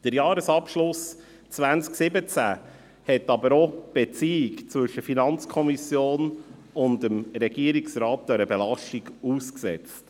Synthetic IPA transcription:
d̥əɾjɑːɾəsɑpʃlʊs | t͡svænsksɪbət͡sæ | hɛtːɑbəɾɔb̥et͡siːɪkt͡svɵʃəfinɑnt͡skʰɔmisjoːnʊndəmɾɛɡiəɾiksɾɑːt̚dœɾəbɛlɑʃtiɡuːsksɛ̰t͡st

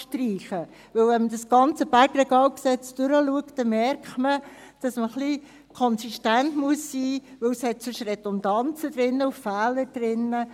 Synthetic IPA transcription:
ʃtriːχə | ʋɵwvɛnmədɑsɡ̥ɑnt͡səb̥æɾɡrɛɡɑːwksɛt͡sd̥øɾəluəkt̚ːɛmɛɾkχtmə | d̥ɑsməχli | kʰɔnsiʃtæntmuəsːiːʋɵwshɛt̚sɵʃrɛdɔnd̥ɑnt͡səd̥̪ɾɪnːəuffæːləd̥ɾɪnːə

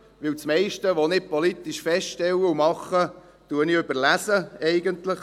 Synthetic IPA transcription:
ʋɪwt͡smɛɪʃtəʋonɪpɔlit̪ːiʃfɛstʃtɛwəumɑχːə | tuənɪøbəɾlæsəɛɪɡənt̪ləχ

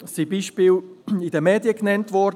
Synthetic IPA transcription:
sibiːʃpiːlɪdəmɛːdjəknɛntvɔd

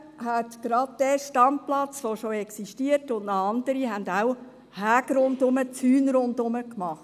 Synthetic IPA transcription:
ɦæt̪ɡ̥ɾɑd̚d̥ɛʃtɑmplɑt͡sʋoʃoɛksiʃtiətʊndnɑɑndəɾiɦændaw | hæːɡɾʊndʊmət͡syːnɾʊndʊməkmɑχt

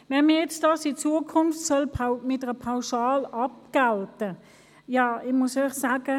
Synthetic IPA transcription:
mɛməjɛt͡sd̥ɑsit͡suəkʰʊnftsɔlpʰamɪt̚əəpʰaʊʃɑːlɑp̚ɡ̥altə | jɑːɪmʊsœʏχsaːɡə

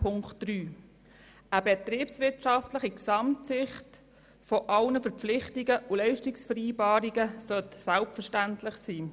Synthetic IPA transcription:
pʰʊŋktd̥ɾyː | əbɛtɾiːpsʋɪɾtʃɑftləχiksɑmtsɪχt | foʔɑlnəfəɾp͡flɪχtɪɡəʔulɪʃtɪksfəɾiːbɑːɾiɡəsœtsælpfəɾʃtæntlɪχsiː

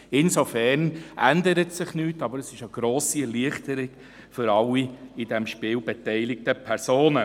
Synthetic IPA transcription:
ɪnsofɛrnʔændəɾətsɪχnyːtɑbəɾəsɪʃəɡ̥ɾoːsiɛliəχtəɾɪɡ̥ | fʏɾɑlːiɪdɛmʃpɪːlbɛtɛɪlɪk̚təpʰɛɾsoːnə

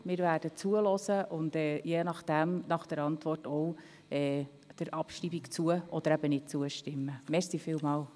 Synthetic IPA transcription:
mɪːɾvæːɾd̥ət͡suəlɔsəʔʊndɛːjeːnɑχd̥æmnɑχd̥əɾɑntvɔrtɔʊ | ɛː | d̥əɾʔɑpʃriːbikt͡suəɔd̥̪əɾæb̥ənɪt̚t͡suəʃtɪmːəmɛsiːfɪːlmɑːl

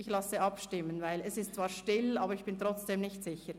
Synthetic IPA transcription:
ɪçlɑsəʔɑpʃtɪmənvaɪlɛsɪstt͡sv̥aːɐɾʃtɪlaːbəɾɪçb̥ɪntʁ̥ɔt͡sd̥eːmnɪçtz̥ɪçə

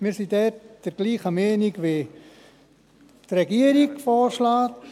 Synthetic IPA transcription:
miːɾsidɛtd̥əɾɡ̥liːχamɛːniɡʋe | trɛɡiəɾikfɔːɾʃlaːt

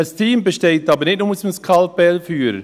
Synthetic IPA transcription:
astʰiːmbəʃteːtɑːbənɪt̚nʊməsmskʰɑlb̥ɛlfyːɾə

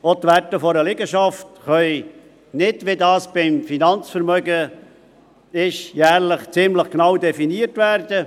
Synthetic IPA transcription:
ot̪ʋætəfɔɾəlɪɡəʃɑftχœʏ | nɪdʋɪdɑːsb̥ɪmfinɑnt͡sfəɾmœɡə | ɪʃjæːɾləχt͡sɪmləχknɑwdɛfiniəɾtʋæɾd̥ə

